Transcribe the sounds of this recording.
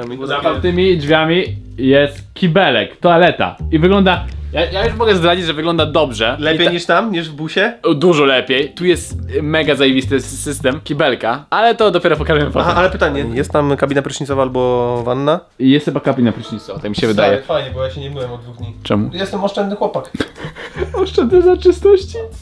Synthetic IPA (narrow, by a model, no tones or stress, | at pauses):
amʲiap̪aɾt̪ɘmʲid͡ʒvʲjamʲijɛst̪kʲibɛlɛkt̪ɔalɛt̪a̰ivɘɡlɔnd̪ajajajuʂmɔɡɛzd̪ɾad͡ʑid͡ʑʐɛvɘɡlɔnd̪ad̪ɔbʐɛlɛpʲjejɲiʂt̪amɲiʐvbuɕɛd̪uʐɔlɛpʲjejt̪ujɛst̪mɛɡazajevʲist̪ɘsɘst̪ɛmkʲibɛlkaalɛt̪ɔd̪ɔpʲjɛɾɔpɔkazujɛmvaaɦaalɛpɘt̪aɲɛjɛst̪t̪amkabʲinapɾɛʂɲit̪sɔvaalbɔvanːa | ijɛst̪xɘbakabʲinapʲɾɘʂɲit̪sɔvat̪akmiɕɛvɨd̪ajɛfajɲɛbɔjaɕɛɲɛbiwɛmɔd̪d̪vuɣd̪ɲit͡ʂɛmujɛst̪ɛmɔʂt͡ʂɛnd̪nɨxwɔpak | ɔʂt͡ʂɛnd̪nɨzat͡ʂɘst̪ɔɕt͡ɕi